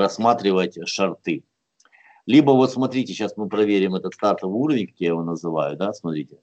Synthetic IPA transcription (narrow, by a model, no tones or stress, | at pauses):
ɾɐsmat̪ɾʲɪvətʲʂɐrt̪ɨ | lʲibəvo̞t̪smɐt̪ɾʲitʲɪɕasmɨpɾɐvʲeɾʲɪmɛt̪ət̪st̪art̪əvɨuɾəvʲɪnʲkɐ̥kʲjajɪvonəzɨva̰jʊd̪asmɐt̪ɾʲitʲɪ